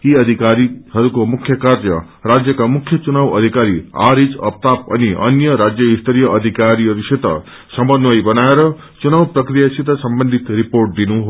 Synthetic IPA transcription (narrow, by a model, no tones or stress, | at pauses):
iʌd̪ʱikaɾihʌɾukomukʰjʌkarʌ̰ | rad͡zjʌkamukʰjʌt͡sunawʌd̪ʱikaɾia̰ɾid͡zʌ̰p̚t̪apʌ̰niʔʌ̰njʌɾad͡zjʌist̪ʰʌɾijʌʔʌd̪ʱikaɾiɦʌɾuset̪ʌ̰ | sʌmʌnwʌjbʌnaeɾʌ | t͡sunawprʌkɾijasit̪ʌsʌmbʌnd̪ʱit̪ɾiporʈ̚d̪inuɦo